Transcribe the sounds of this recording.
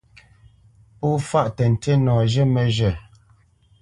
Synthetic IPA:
puː˦fa˦ʔtɛ˨n̩˨tʰe˦nɔː˨ʒə˦mə˨ʒə˨

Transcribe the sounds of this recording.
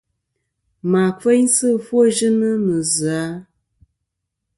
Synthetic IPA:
ma˨fe˦jsɨ˦˨fwo˦ʒɨ˦nə˦mə˨zɨ˨a˦

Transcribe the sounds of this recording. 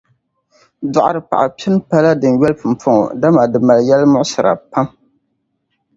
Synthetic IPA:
dɔ˨ʔa˨ɾɨ˨pa̰˨ʔa˨pi˦n˦pa˦la˦dɨ˨n˨ɥɛ˦lpɨ˨m˨pɔ˦ŋɔ̰˨da˦ma˨dɨ˨ma˨ljɛ˦lmʊ˦ʔʊ˦sɨ˨ɾa̰˨pa˦m

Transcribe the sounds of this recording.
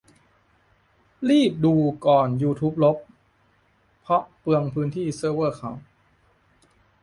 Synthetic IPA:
ɾiː˥˩p̚duː˧kɔː˨˩njuː˧t̪ʰuː˦˥p̚lo˦˥p̚ | ɔ˦˥ʔpɯ˧əŋpʰɯː˦˥nt̪ʰiː˥˩sɤː˧˥˩wɤː˥˩kʰa˨˩˦w

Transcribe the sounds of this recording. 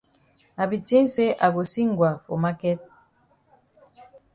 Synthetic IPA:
a˨bi˨ti˦n˦se˦ʔa˨ɡo˨si˦ŋɡwa˨fo˨ma˦kɛ˦t̚

